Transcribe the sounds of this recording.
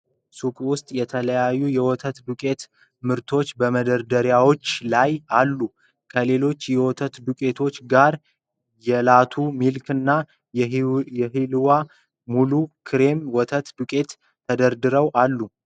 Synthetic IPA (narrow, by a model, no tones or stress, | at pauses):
sukʼwʊst̪ʼjɛt̪ʰələjajːujɛwɔt̪ʰət̪d̪ukʼe̞t̪ | mɨɾt̪ʰo̞t͡ʃːbəməd̪əɾd̪əɾjawo̞t͡ʃːlajalːu | kʰəle̞lo̞t͡ʃːjɛwɔt̪ʰət̪d̪ukʼe̞t̪ʰo̞t͡ʃːɡaɾ | jɛlat̪ʰumilkʰɨnːa | jɛɦilwa | mulukʰɨɾe̞mwɔt̪ʰət̪d̪ukʼe̞t̪ | t̪ʰːəd̪əɾd̪ɨɾəwʔalːu